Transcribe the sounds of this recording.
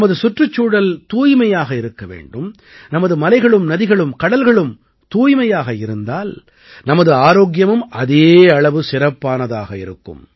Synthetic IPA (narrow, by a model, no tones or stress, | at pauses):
mɐðɯsʊʈrɯt͡ʃːuːɽɐlt̪uːjmɐjaːɣɐɪɾɯkːɐʋḛːɳɖɯm | nɐmɐðɯmɐlɐɪɣɐɭɯmnɐðɪɣɐɭɯmkɐɽɐlɣɐɭɯm | t̪uːjmɐjaːɣɐɪɾɯnd̪aːl | nɐmɐðɯaːɾoːɡjɐmɯmɐðeːɐɭɐʋɯsɪɾɐpːaːnɐðaːɣɐɪ̰ɾɯkːɯ̰m